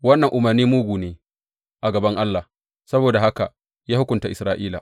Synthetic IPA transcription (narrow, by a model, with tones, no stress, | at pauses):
wɐ˦nːɐ˨ŋʔʊ˨mɐ˨rniː˦mʊ˦ɡʷuː˨neː˨ | ʔa˨ɡɐ˨bɐ˦ŋʔa˦lːa˨ | sɐ˦boː˨da˨ha˦ka˨ | jaː˦hʊ˦kʷʊ˨nta˨ʔɪ˨sɾaː˨ʔiː˦la̰˨